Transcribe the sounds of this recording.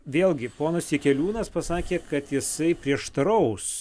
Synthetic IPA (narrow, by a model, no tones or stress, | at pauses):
ʋʲeːlˠʲɡʲɪpoːnɐsʲikʲɛlʲuːnɐspɐsɑːkʲeːkɐt̪jɪsɐɪpʲɾʲiɛʃt̪ɐɾɐʊs